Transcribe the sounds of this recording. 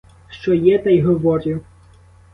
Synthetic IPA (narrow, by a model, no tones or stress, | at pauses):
ʃt͡ʃɔjɛt̪ɛjɦɔʋɔɾʲiw